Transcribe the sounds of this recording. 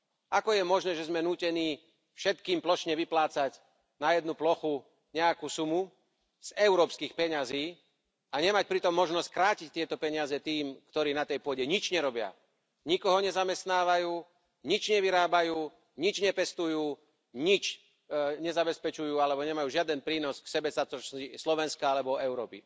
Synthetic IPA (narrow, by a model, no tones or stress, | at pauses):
akɔjɛmɔʒnɛːʒɛzmɛnuːcɛniː | fʃɛt̪kiːmplɔʃɲɛʋiplaːt͡sac | najɛd̪nuplɔxu | ɲɛakuːsumu | z̥ɛʊɾɔːpskiːxpɛɲaziː | aɲɛmac̚pɾit̪ɔmːɔʒnɔsckɾaːcic̚t̪ɪɛt̪ɔpɛɲɪazɛt̪iːmkt̪ɔɾiːnat̪ɛjpʊɔɟɛɲit͡ʃɲɛɾɔbɪa̰ | ɲikɔɦɔɲɛzamɛst̪naːʋajuː | ɲit͡ʃɲɛʋiɾaːbajuː | ɲit͡ʃɲɛpɛst̪ujuː | ɲit͡ʃ | ɲɛzabɛspɛt͡ʃujuːalɛbɔɲɛmajuːʒɪad̪ɛnpɾiːnɔsksɛbɛsat͡sɔt͡ʃislɔʋɛnskaalɛbɔɛʊɾɔːpḭ